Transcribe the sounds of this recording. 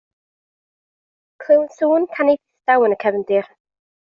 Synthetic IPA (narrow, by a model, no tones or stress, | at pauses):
kʰl̥ɪwnsuːnkʰanejθθd̥awənəkʰɛvəndɪr